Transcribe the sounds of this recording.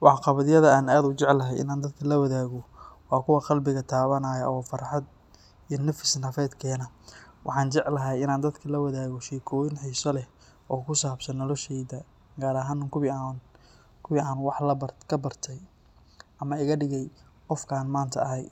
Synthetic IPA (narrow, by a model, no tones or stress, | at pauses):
wɑħɑqɑβɐðɪjɐðɐaːnaːd̪ʊt͡ʃɛʕlɐɦɛjɪ̰naːnd̪ɐd̪kʰɐlɐwɐðaːɣɔwɑːkʰʊwɑqɑlbɪɣɐt̪ʰaːβɐnaːjɐʔɔːfɑrħɑd̪̚ | ijnɐfɪsnɐfɛːd̪kʰɛːnɐ | wɑ̰ħɑːnt͡ʃɛʕlɐɦɛjɪnaːnd̪ɐd̪kʰɐlɐwɐðaːɣɔʃiːkʰɔːwɪnħiːsɔlɛ | ɔːkʰʊsaːbsɐnːɔlɔʃɛjðɐ | ɡaːɾɐɦaːnʊkʰʊan | kʰʊwɪaːnwɑħlɐbkʰɐbɐrt̪ʰɛj | ʔɐmɐɪɣɐɖɪɣɛj | qɔfkʰaːnmaːnt̪ʰɐɐɦɛj